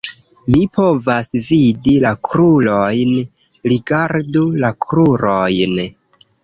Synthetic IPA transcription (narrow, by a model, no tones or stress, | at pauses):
mipo̞vasvidilakɾulojn | ɾiɡaɾdulakʰɾuɾojn